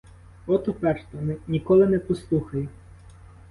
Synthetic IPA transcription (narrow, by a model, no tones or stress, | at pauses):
ɔt̪ɔpɛrʃt̪ɔnnʲikɔlˠɪnɛpɔslˠuxɐjɛ